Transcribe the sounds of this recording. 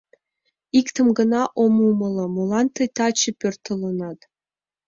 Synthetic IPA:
ikt̪ə̆mɡə̆nɑʔomumɤ̆lɤ̆molɑnt̪ɤjt̪ɑt͡ɕəpʲørt̪ə̆lɤ̆nɑt̪

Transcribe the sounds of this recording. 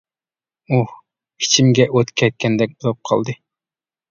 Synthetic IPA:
u | i̥t͡ʃʰimɡʲɛʔøt̪kʲʰɛt̪̚kʲʰɛnd̪ɛk̚ʲbolˠɑp̚qʰɑ̰lˠd̪ɨ

